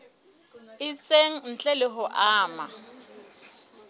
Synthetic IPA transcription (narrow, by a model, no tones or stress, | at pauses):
ɪt͡sʼeŋ̩n̩t͡ɬʼɛlɪɦʊʔaːma